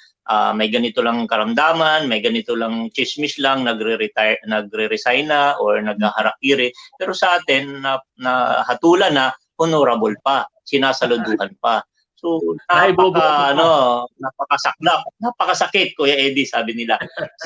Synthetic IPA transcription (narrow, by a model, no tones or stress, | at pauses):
ʔa̰ːmɐjɡɐnɪt̪olɐŋkɐɾɐmd̪aːmɐnmɐjɡɐnɪt̪olɐŋt͡ʃɪsmɪslɐŋnɐɡɾɪɾɪt̪anɐɡ̚ɾɛɾɛsajnɐʔoɹnɐɡ̚hahɐɾɐk̚iːɾɪpɛːɾo̞sɐʔaːt̪ɪnːɐnɐhɐt̪uːlɐnɐ | hʊnoɾɐbolpasɪnaːsɐlʊd̪uːhɐnpa | soabobɐɐnonapɐkɐsɐk̚lap̚napɐkɐsɐkɛt̪̚kojaʔɛd̪ɪsaːbɪnɪla